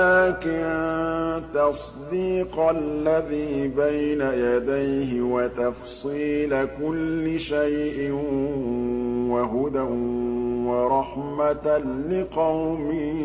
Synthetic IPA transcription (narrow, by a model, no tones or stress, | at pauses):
aːkɪn | t̪ɑsˤd̪iːqlːaðiːbajnajad̪ajɦɪwat̪ɑf | sˤiːlakʊlːɪʃajʔɪ | waɦʊd̪a | wɑɾˤɑħmat̪lɪqɑwmi